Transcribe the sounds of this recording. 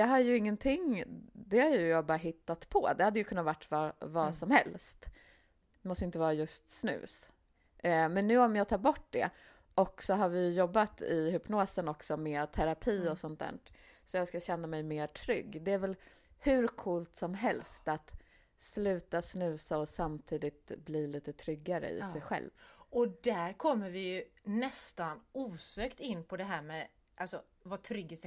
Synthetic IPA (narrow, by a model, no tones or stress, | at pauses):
jɑːɦajɵɪŋːənt̪ʰɪŋːd̪ɛhaɾjɵjɑːɡbɑːɾaɦɪt̪ːat̪pʰɔd̪ɛhad̪ːəjɵkʰɵnːavaʈːvɑvɑːsɔmhɛlst̪ | mɔst̪əɪnt̪əvɑːɾajɵst̪snʉ̰ːs | mɛnːʉ̟ːɔmjɑːt̪ʰɑːɾbɔʈːd̪ɛ̰ | ʔɔksɔɦaɾvɪjɵjɔbːat̪ɪɦʏpnoːsənɔksɔmeːt̪ʰæɾapʰiːɔsɔnt̪̚d̪æ̰ːʈ | sɔjɑːskaɕɛnːamɛjmeːʈʰɾʏɡːd̪ɛæɾvɛl | hʉ̟ɾkʰuːlt̪sɔmɦɛlst̪at̪ | slʉ̟ːt̪asnʉ̟ːsaɔsamt̪ʰiːd̪ɪt̪bliːliːt̪ət̪ʰɾʏɡːaɾə̰ɪ̰sɛjɧɛ̰lvɔd̪æɾkʰɔmːəɾvɪjɵnɛst̪anuːsøːkt̪ɪnːpʰɔd̪ɛɦæːɾmɛ | ʔalsɔ | vat̪ʰɾʏɡɪs